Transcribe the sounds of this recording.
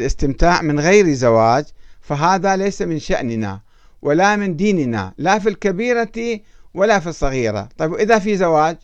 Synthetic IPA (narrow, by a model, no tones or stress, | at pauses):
lʔɪst̪ɪmt̪aːʕmɪnɣajɾizawaːd͡ʒfaɦaːðalejsamɪnʃa̰ʔnɪna̰ | wʔalamɪnd̪iːnna̰lafilkabiːɾaiwalafisˤːɑɣiːɾa̰t̪ˤɑbwʔɪðafizawaːd͡ʒ